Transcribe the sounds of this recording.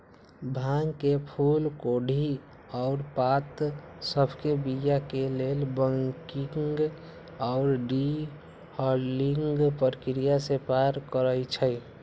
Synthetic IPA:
bʱãŋkepʰulkoɖʱi | ɔʊɾpat̪səbʱkebijakelelbəŋkiŋɡ | ɔʊɾɖi | hɔliŋɡpəɾəkɾijasepaɾkəɾəjt͡ʃʰəj

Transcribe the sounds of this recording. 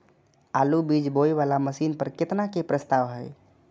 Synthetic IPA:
aːlubid͡ʒboiʋalaməsiːnpəɾkɪt̪nakepɾəst̪aːʋɦɛj

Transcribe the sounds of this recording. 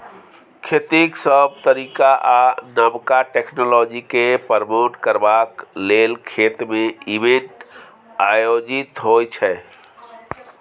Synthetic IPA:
kʰet̪iksəb̚t̪əɾikaʔanəmkaʈekʰnolɔd͡ʒikepəɾmoʈkəɾbaklelkʰet̪mẽibẽɳʈ | ajod͡ʒit̪ɦojt͡ʃʰɛ

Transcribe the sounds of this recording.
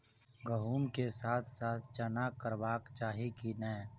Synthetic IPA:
ɡəɦuːnkesaːt̪ʰsaːt̪ʰt͡ʃənakəɾʋaːkt͡ʃaːɦikinɛː

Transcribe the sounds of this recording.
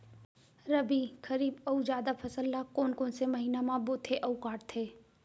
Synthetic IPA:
ɾɐbikɐɾiːbɐud͡ʒjaːd̪apʰɐsəlːakoːnkoːnsemɐɦiːnamãboːt̪ʰeʔɐʊkaːʈt̪ʰeː

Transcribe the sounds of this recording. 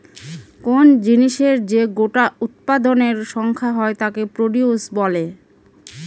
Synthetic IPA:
kond͡ʑiniʃeɾd͡ʑeɡoʈaut̪̚pad̪oneɾʃɔŋkʰaɦɔet̪akepɾoɖiusbɔle

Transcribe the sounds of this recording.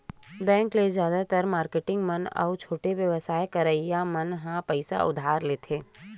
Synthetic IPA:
bɛ̃ːŋklezjaːd̪at̪əɾmaːɾkeʈɪ̃ŋɡmɐnɔ̰ːt͡ʃʰoːʈeʋjəʋəsaːjkɐɾəijamɐnɦãpəɪsa̰ʔʊ̰d̪ʱaːɾleːt̪ʰeː

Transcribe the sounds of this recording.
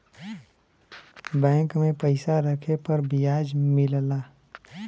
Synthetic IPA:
bɛ̃ːŋkmẽpəɪsaɾəkʰepəɾbijaːd͡ʒmɪllaː

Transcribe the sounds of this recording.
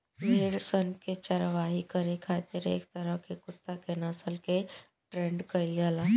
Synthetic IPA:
meːɽsənket͡ʃəɾʋaːɦikəɾekʰaːt̪iɾḛːkt̪əɾəɦkekʊt̪ːakenaːsəlke | ʈɾẽɳɖkəɪlɡaːlaː

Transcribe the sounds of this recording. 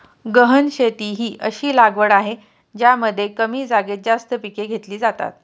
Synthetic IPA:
ɡəɦənɕet̪iːɦiːʔəɕiːlaɡʋəɽaɦe | d͡ʑjaməd̪ʱːjekəmiːd͡zaɡet̪̚d͡zast̪əpikeɡʱet̪liːd͡zat̪a̰t̪̚

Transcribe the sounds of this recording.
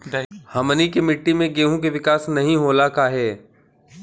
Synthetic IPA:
hɐmənikemɪʈːimẽɡeːɦũk̬eʋɪkaːsnɐɦĩɦoːlakaɦɛː

